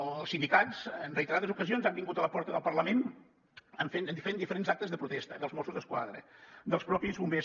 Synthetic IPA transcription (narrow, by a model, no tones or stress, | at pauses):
lˠsind̪ikazənrəjt̪əɾaðəzukəzionzambiŋɡut̪ələpɔɾt̪əðəlˠpərləmen | əɱfet̪ənd̪ifəɾend̪ifəɾenzak̚t̪əzðəpɾut̪ɛst̪əðəlˠzmɔsuzðəskwa̰ðɾə̰d̪əlˠspɾɔpizβumbe